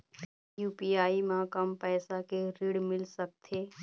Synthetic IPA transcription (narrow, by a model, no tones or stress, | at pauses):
juːpiːaːimãkəmpɛːsakeɾiɽmɪlsək̚t̪ʰeː